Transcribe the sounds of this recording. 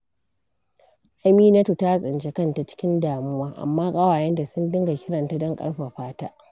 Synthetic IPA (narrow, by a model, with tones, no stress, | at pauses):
ʔa˦miː˦nɐ˦tu˨ta˦sʼɪ˨nt͡ʃe˦kɐ˦˨nta˨t͡ʃɪ̥˦kʲɪ˦ndaː˨mʊ˦waː˦ʔa̰˨mːaː˦kʼɐ˦waː˨jɛ˦nda˨sʊ˦ndɪ˦ŋɡa˨kʲɪ˦ɽɐ˨nta˦dɔ˦ŋkʼɐ̰˦ɽɸa˨ɸaː˦taː˦